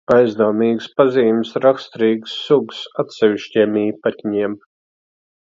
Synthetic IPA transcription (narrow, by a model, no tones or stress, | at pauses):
ajzd̪uːmiːɡspaziːmsɾakst̪ɾiːɡsːuɡsat̪sʲɛʋʲiʃcʲiɛmiːpat̪ʲɲiɛm